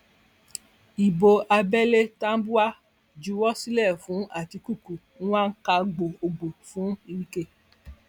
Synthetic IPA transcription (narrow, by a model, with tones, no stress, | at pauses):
i˨bo˧ʔa˧bɛ˦le˦ta˦n̩˦bu˦a˦ | d͡ʒu˧˦wɔ˦si˦lɛ˦˨fũ˨˦a˦˨ti˧ku˦˨ku˨ | ñ̩˦wã˦n̩˦ka˧ɡ͡bo˨o˧ɡ͡bo˨fũ˨˦i˧ɾi˦ke˦˨